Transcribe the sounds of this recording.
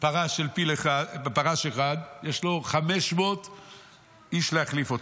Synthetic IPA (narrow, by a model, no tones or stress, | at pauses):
paʁaʃelpileχapaʁaʃeχad̪jeʃlo̞χame̞ʃmot | iʃleaχlifot